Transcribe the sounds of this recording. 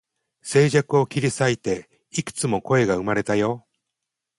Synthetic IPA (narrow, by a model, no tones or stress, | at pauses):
se̞ːʑakɯ̟o̞kʲiɾʲisait̪e̞ | ikɯ̟̥t͡sɨmo̞ko̞e̞ɡaɯ̟maɾe̞t̪ajo̞